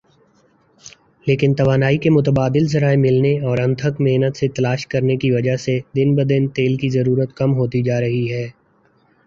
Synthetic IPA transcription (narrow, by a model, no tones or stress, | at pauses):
leːkɪnt̪ɐʋaːnaːikemʊt̪əbaːd̪ɪlzɐɾaːemɪlneɔːɾɐ̃nt̪ʰəkmeːnət̪set̪ɐlaːʃkɐɾnekiʋɐd͡ʒaɦsed̪ɪnbəd̪ɪnt̪eːlkizɐɾuːɾət̪kɐmɦoːt̪id͡ʒaːɾɐɦiɦɛː